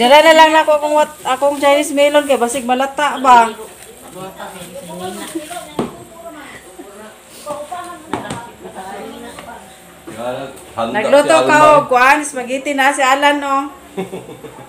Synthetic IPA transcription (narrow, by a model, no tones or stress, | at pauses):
d͡ʒalanalaŋlakoakoŋwat̪akoŋd͡ʒajnɪsmilonkajbasɪɡ̚malat̪aʔba | naɡlʊt̪okaokʊanɪsmaɡit̪ɪnaːsialano